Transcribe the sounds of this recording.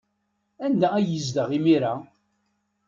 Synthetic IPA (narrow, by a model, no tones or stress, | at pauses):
ænd̪ææjəzd̪əʁimiɾa